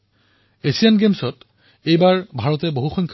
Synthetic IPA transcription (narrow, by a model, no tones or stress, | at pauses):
esianɡemsɔt | ejbaɹbʱaɹɔtɛboɦuxɔŋkʰ